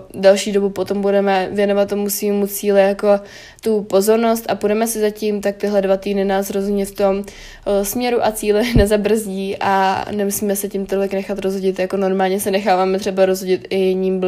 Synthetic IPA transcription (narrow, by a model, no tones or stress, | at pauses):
dɛlʃiːdo̞bupo̞t̪o̞mbudɛmɛvjɛnovat̪ːomusiːmut͡siːlɪjako̞ | t̪upo̞zo̞ɾno̞st̪ʔapudɛmɛsɪzacimt̪ak̚t̪ɪɦlɛdvat̪iːdnɪnaːsɾozumɲɛft̪o̞m | smɲɛɾuʔat͡siːlɪnɛzabr̩zɟiːʔa̰nɛmusiːmɛsɛcɪmt̪olɪknɛxat̪ɾozɦoɟɪt̪jakono̞ɾmaːlɲɛsɛnɛxaːvaːmɛt̪r̝̥ɛbaɾozɦoɟɪt̪ɪjɪɲiːmb